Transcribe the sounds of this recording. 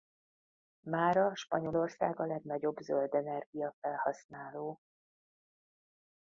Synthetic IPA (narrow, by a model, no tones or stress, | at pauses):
maːɾɒʃpɒɲo̞lo̞rsa̰ːɡɒlɛɡn̪ɒɟo̞bzøld̪ɛnɛrɡijɒfɛlhɒsnaːloː